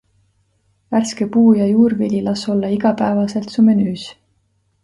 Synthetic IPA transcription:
værskepuːjɑjuːrvilʲilɑso̞lːɑiɡ̥ɑpæevɑse̞lt̪sumenyːs

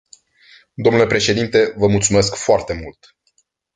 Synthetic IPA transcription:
d̪oomnulepɾe̞ʃe̞d̪int̪e̞vəmult̪sume̞skfoart̪e̞mult̪

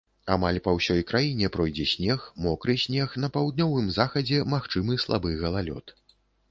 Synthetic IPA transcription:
amalʲpɐwsʲɔjkɾajinʲɛpɾɔjd͡zʲɛsʲnʲɛxmɔkɾɨsʲnʲɛxn̪ɐpawd̪nʲɔvɨmzaxɐd͡zʲɛmaxt͡ʂɨmɨslˠa̰bɨɣɐlˠalʲɔ̰t̪

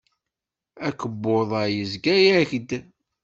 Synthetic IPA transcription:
ækəbːoðˤəjəzɡæjæçd̪

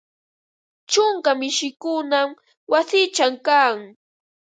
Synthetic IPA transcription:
t͡ʃʊŋkamɪʃɪkʊnam | wasɪt͡ʃamkaːŋ

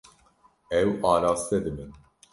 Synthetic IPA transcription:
ɛwɑːɾaːst̪ɛd̪ɨmɨn

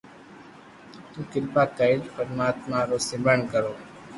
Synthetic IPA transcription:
t̪ũːkɪlpaːkəd͡ʒfəɾmaːt̪mãːɾoːsɪmbəɳkəɾoː

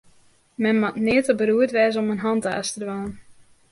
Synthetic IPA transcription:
mɛnmatnɪətəbəɾuətʋɛːzomənɦɑntəa̰stədʋaːən

